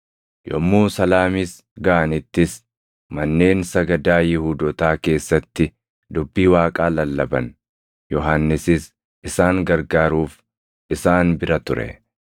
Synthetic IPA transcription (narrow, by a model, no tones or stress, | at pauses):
jɔ̰mːuːsɐlaːmis | ɡɐʔɐnɪt̪ːɪs | mɐnːe̞ːnsɐɡɐd̪aːjɪhuːd̪ɔt̪aːke̞ːsːɐt̪ːɪ | d̪ʊbːiːwaːkʼaːlɐlːɐbɐn | jɔɦanːɪsɪs | ʔɪsaːŋɡɐɾɡaːɾuːf | ʔɪsaːnbɪɾɐt̪ʊɾɛ̰